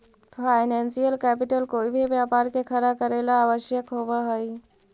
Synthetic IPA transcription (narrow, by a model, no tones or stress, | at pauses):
pʰaːɪnɛ̃ːnsijəlkɛːpɪʈəlkoːibʱibjaːpaːɾkekʰəɾakəɾelaaːʋəʃjəkɦobaɦoi